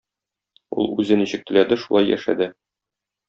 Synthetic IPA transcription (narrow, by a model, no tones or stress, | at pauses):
ṵlˠʉzɘ̆niɕɘ̆k̚t̪ɘ̆læd̪ɘʃulˠɑjːæ̰ʃæ̰d̪ɘ